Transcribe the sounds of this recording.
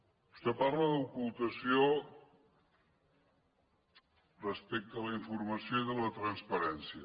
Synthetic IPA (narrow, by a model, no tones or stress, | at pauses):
bust̪eparləðukulˠt̪əsio | rəspek̚t̪ələiɱfuɾməsjoiðələt̪ɾənspəɾɛnsiə